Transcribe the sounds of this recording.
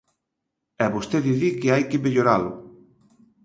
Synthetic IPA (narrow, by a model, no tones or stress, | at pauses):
ɛβost̪eðiðikɪajkɪmeʎoɾalʊ